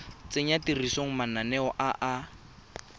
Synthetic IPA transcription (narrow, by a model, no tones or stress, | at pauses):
t͡seɲatirisoŋ̩mananɛɔʔaʔa